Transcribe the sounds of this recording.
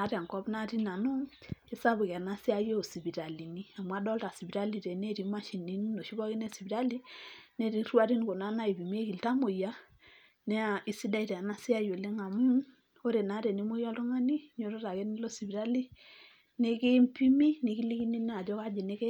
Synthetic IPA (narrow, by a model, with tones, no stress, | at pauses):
a˨˦ɾa˨ŋkɔ˦bna˦ti˦na˨no˦ŋe˦sa˦bʊ˨ka˨na˦sɪ˦a˦jo˦˨si˨bi˨ɾa˨li˨ni˦a˨mwa˦dɔ˦lta˨si˨bi˨ɾa˦li˨te˨ne˦˨ɾi˨˦ma˦ʃi˨ni˦n˦no˨ʃi˦bɔ˦ki˦ne˦si˨bi˨ɾa˦li˦ne˦ɾi˨˦rwa˦ɾi˦n˦ko˨na˦na˦i˨pi˨mi˦e˦ki˨lta˦mo˨ja˦ | nɛ˦a˨i˨si˦da˦i˨tɛ˨a˨na˦si˦a˦jo˨le˦ŋa˨mu˦ | o˦ɾe˨na˨˦ɾe˨ni˦mo˦ja˦lto˦ŋa˦ni˦ɲ˦o˦ɾo˦ta˨ke˦ni˦lo˦si˨bi˨ɾa˦li˦ | ne˦ki˦mpi˦mi˦ni˨˦ki˦li˦ki˦ni˦n˦a˨d͡ʒɔ˦ka˦d͡ʒe˨ne˦kɛ˦